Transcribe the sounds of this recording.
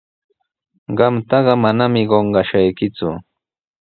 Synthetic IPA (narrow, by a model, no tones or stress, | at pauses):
ɢɑmt̪ɑɢɑmanamɪɢoɴɢɑʃajkɪt͡sʊ̰